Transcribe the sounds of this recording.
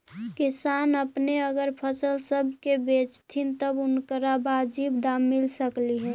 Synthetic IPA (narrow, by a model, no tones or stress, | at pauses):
kɪsaːnəpneəɡəɾpʰəsəlsəbʱkebet͡ʃt̪ʰint̪əbʊnkəɾabad͡ʒibd̪amːɪlsəkliɦɛ